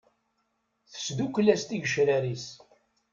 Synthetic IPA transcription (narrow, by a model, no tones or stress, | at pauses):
θə̥sd̪ukʷːlæst̪iʝəʃɾæɾis